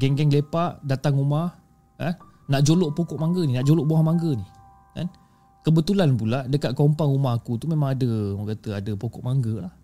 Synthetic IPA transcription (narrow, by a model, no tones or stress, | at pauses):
ɡɛŋɡɛŋlepaʔdat̪aŋumah | kan | naʔd͡ʒoloʔpokɔʔmaŋɡəninaʔd͡ʒoloʔboahmaŋɡəni | ka̰n | kəbət̪ulanpulaʔdəkat̪̚kɔmpaŋumahɦakut̪umẽmãŋadəɔkat̪əadəpokɔʔmaŋɡəlah